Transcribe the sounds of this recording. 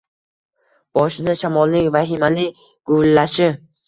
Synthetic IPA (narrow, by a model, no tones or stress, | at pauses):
b̥ɒʃɪd̪aʃamɒlˠːɪkʲvaɦɪmalɪ | ɡ̥ʊlːaʃɪ